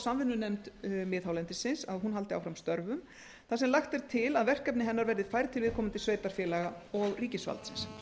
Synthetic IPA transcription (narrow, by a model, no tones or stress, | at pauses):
samvɪnːʏnejmt̪mɪːðhawlɛnt̪ɪsɪnsaðɦunɦalt̪ɪawfɾamst̪œɾvʏm | θasɛmlaxt̪ɛɾ̥t̪ʰɪlaðvɛr̥kɛp̬nɪɦɛnːaɾvɛɾðɪfaːjɾɪt̪ʰɪlvɪðkʰɔːmant̪ɪsveːjt̪aɾ̥fjɛːlɛɣaɔɣriːcɪsva̰lt̪sɪns